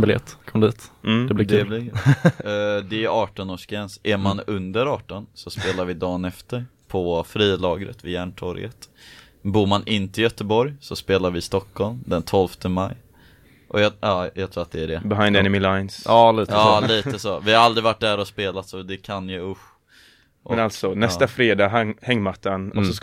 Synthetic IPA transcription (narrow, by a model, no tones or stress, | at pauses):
bɪljɛ̰t̪ːkʰɔmd̪iːt̪ːɛblɪd̪ɛlɪ | d̪ɛæʔɑːʈɔnoːʂkɾɛnsʔæɾmanɵnd̪əɾɑːʈɔnsɔspeːlaɾvɪd̪ɑːnɛft̪əɾpʰɔfɾiːlɑːɡɾə̰t̪vɪjæːɳʈʰɔɾjə̰t̪ | buːɾmanʔɪnt̪əɪjœt̪əbɔɾjsɔspeːlaɾvɪst̪ɔkʰːɔlmd̪ɛnt̪ʰɔlft̪ʰəmaj | ʔɔjɑɑːjɑɡt̪ʰɾuːɾat̪̚d̪ɛæɖɛbɪɦãɪnd̪ɛnɪmɪlajnsɑːliːt̪əɑːliːt̪əsoːvɪhaɾald̪ɾɪvaʈ̚ːd̪æːɾɔspeːlat̪sɔd̪ɛkʰanjəʊ | mʔɔɛnalt̪sɔnɛst̪afɾeːd̪ɑːɦaŋhɛŋːmat̪ːanɔsɔs